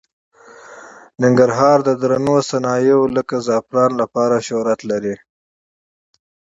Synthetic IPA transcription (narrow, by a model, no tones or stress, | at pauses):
nɪŋɡaɾɦɑɾd̪əd̪ɾanosanɑjewləkazɑpɾɑnlapɑɾaʃoɾat̪laɾi